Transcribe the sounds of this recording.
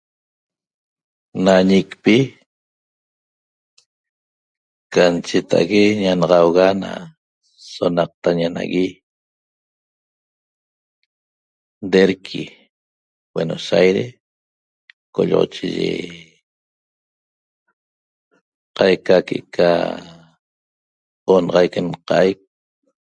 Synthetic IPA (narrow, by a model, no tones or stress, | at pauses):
naɲikpi | kant͡ʃet̪a̰ɣeɲanɑʁɑwɣana̰ | sonɑq̚t̪aɲana̰ɣi | d̪eɾkʰḭ | weno̰sajɾe | koʎo̰ʁo̰t͡ʃiʒḛ | qɑjkakeʔkʰa̰ | onɑʁɑjkenqɑʔajk̚